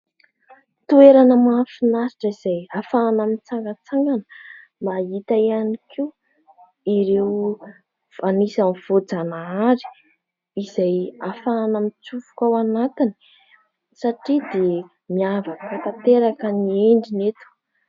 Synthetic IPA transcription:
t̪ueɾanəmafinasiʈ͡ʂəiz̥ajafanamint͡saŋɡət͡saŋɡanə̥ | maɦit̪aijanikʰiu | iɾew | v̥anisanv̥od͡zanaaɾi̥ | izajafaːnamit͡sufu̥kawanat̪ini̥ | saʈ͡ʂid̪e | miavakəfat̪at̪eɾakənieɳɖ͡ʐinet̪u̥

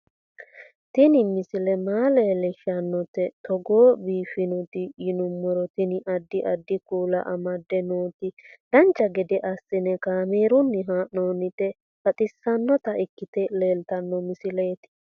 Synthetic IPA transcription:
t̪ɪnɪmɪsɪlɛmaːleːlɛʃɐnːɔt̪ɛt̪ɔɡoːbiːfɪnʊt̪ɪjɪnʊmːɔɾɔt̪ɪnɪʔɐd̪ːɪʔɐd̪ːɪkuːlɐ̰ʔɐmɐd̪ːɛnoːt̪ɪd̪̥ɐnt͡ʃːɐɡɛd̪ɛʔɐsːɪnɛkaːmeːɾʊnːɪɦaːʔnoːnɪt̪ɛ | fɐt̪ʼɪsːɐnːɔt̪ɐʔɪkːɪt̪ɛleːlt̪ɐnːɔmɪsɪleːt̪ɪ̥

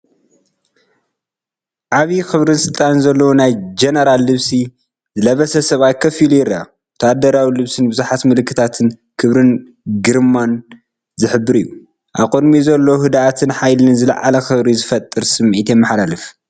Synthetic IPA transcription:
ʔaβixɨβɾɨnsɨlt̪ʼanzɐlːɐwonajd͡ʒenɐɾalːɨβsi | zɨlɐβɐsɐsɐβaj̚kʰɐfilujɪɾa | t̪ʰad̪ɐɾawilɨβsɨnbɨzuħat̪mɨlɨkʰːɨt̪ʰat̪ʰɨn | kʰɨβɾɨn | ɡɨɾmːan | zɨħɨbːɨɾijːu | ʔaβqʼod̪mizɐlːohɨd̪aʔat̪ʰɨnħajlɨnzɨlɐ̰ʕa̰lɐxɨβɾizɨfɐt̪ʼːɨɾsɨmʕit̪jɛmːɨħalalɨf

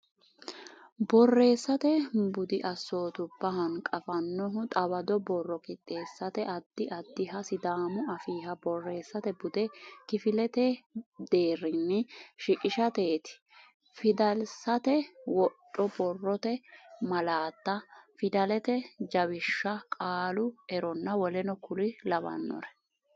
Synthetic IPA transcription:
bɔrːe̞ːsːɐt̪ɛbʊd̪ɪʔɐsːo̞ːt̪ʊb̥ɐɦɐnkʼɐfɐnːɔɦʊt̪ʼɐbɐd̪ɔbɔrːɔkɪt̪ʼːe̞ːsːɐt̪ɛʔɐd̪̥ːɪʔɐd̪ːɪɦɐsɪd̪aːmʊɐfiːhɐbɔrːe̞ːsːɐt̪ɛbʊd̪ɛkɪfɪlɛt̪ɛd̪eːrːɪnːɛʃɪkʼɪʃɐt̪e̞ːt̪ɪ̥ | fɪd̪ɐlsɐt̪ɛwɔtʼːɔbɔrːɔt̪ɛmɐlaːt̪ːɐfɪd̪ɐlɛt̪ɛd͡ʒɐwɪʃːɐkʼaːlʊɛɾɔnːɐwɔlɛnɔkʊlɪlɐbɐ̰nːɔ̰ɾɛ̥

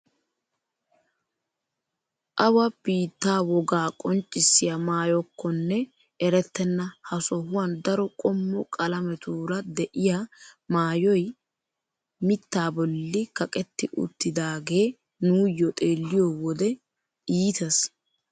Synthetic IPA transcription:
ʔɐwɐb̥iːt̪ːaːwɔɡaːkʼɔnt͡ʃʼːɪsːɪjamaːjɔkːɔnːɛ | ɛɾɛt̪ːɛnːɐhɐsɔhʊwɐnd̪ɐɾɔkʼɔmːɔkʼɐlɐmɛt̪uːɾɐd̪ɛʔɪjamaːjɔj | mɪt̪ːaːbɔlːɪkɐkʼɛt̪ːɪʔʊ̰t̪ːɪd̪aːɡe̞ː | nuːjːɔt̪ʼe̞ːlːɪjɔːwɔd̪ɛ | iːt̪ɐs

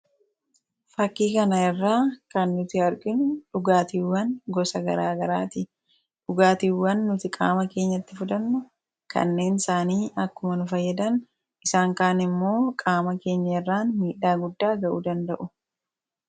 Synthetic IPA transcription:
fɐkːiːkɐnɐɛrːaːkɐnːʊt̪ɪɐɾɡɪnᶑʊɡaːt̪iwːɐnɡɔsɐɡɐɾaːɡɐɾaːt̪ɪ | ᶑʊɡaːt̪iwːɐnːʊt̪ɪkʼa̰ːmɐke̞ːɲːɐt̪ːɪfʊd̪ɐnːʊ | kʰɐ̰nːe̞ːnɪsaːniːʔɐkːʊmɐnʊfɐjːɐd̪ɐn | ʔɪsaːŋkaːnɪmːo̞ːkʼaːmɐke̞ːɲːɐɛrːaːnmiːᶑaːɡʊd̪ːaːɡɐʔuːd̪ɐnd̪ɐʔʊ

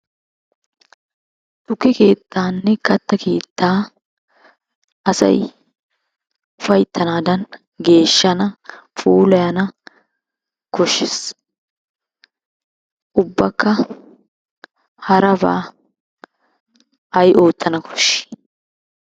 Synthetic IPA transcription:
t̪ʊkːɪke̞ːt̪ːaːnːɛkɐt̪ːɐkʰe̞ːt̪ːaː | ʔɐsɐ̰j | fɐjt̪ʼːɐnaːd̪ɐn | ɡe̞ːʃːɐnɐfuːlɐjɐnɐ | kʰɔʃːɪs | ʔʊbːɐkːɐ | hɐɾɐba̰ː | ʔɐjʔo̞ːt̪ʰːɐnɐkʰɔ̥ʃːɪ̥

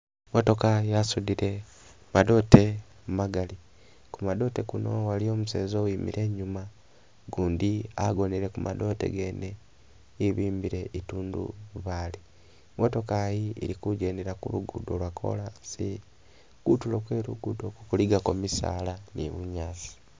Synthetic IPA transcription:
moto̞kajiasudiɾe̞ | mado̞ːte | mumaɡali | kumado̞te̞kuno̞walio̞ːmuse̞ːzowiːmḭɾe̞ːɲuma | ɡuːndia̰ɡo̞neɾe̞kumʔado̞te̞̰ɡene | iβiːmbiɾeʔituːndṵβaːli | moto̞kajiḭɾikuɟe̞ndeɾakṵluɡudo̞lwakʰo̞̰lansi | kutulokwe̞ːɾuɡudo̞kukuliɡakomisa̰ːlanḭβuɲaːzi̥

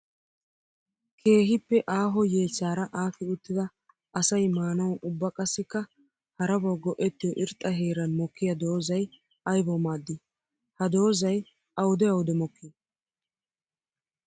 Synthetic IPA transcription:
kʰe̞ːɦɪpːɛʔaːɦɔje̞ːt͡sːaːɾɐʔaːfɪʊt̪ːɪd̪ɐ | ɐsɐjmaːnɐwʊbːɐkʼɐsːɪkːɐ | hɐɾɐbɔɡɔʔɛt̪ːɪjɔʔɪɾt̪ʼːɐɦe̞ːɾɐnmɔkːɪjɐd̪o̞ːzɐj | ɐjbɔmaːd̪ːɪ | hɐd̪o̞ːzɐj | ʔɐwd̪ɛɐwʊd̪ɛmɔkːɪ

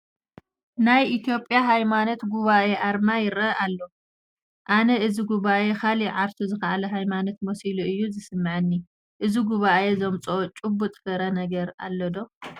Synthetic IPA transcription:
najʔit̪ʰjo̞pʼːjaɦajmanot̪ɡuβaʔe̞ʔaɾmajɪɾɐalːo | ʔanɐʔɨziɡuβaʔe̞kʰaliʕaɾt̪ʰuzɨxɐʔalɐɦajmanot̪̚mosiluʔɨjːuzɨsɨmːɨʕɨnːi | ʔɨziɡuβaʔe̞zomt͡sʼot͡ʃʼubːut̪ʼfɐɾɐnɐɡɐɾa̰lːɐd̪o

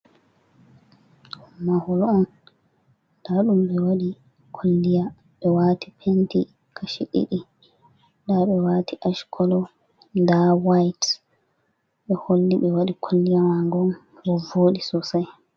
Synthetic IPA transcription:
humːahɔlɔn | ɗ̥aɗumɓɛwaɗi | kʰolːija | ɓɛwatipʰenti | kʰaʃḭɗḭɗi | ɗaɓɛwatiʔaʃkʰɔlɔ | ndawajt | ɓɛholːiɓɛwaɗikʰolːijamaŋɡɔn | ɾɔvoːɗisɔsaj

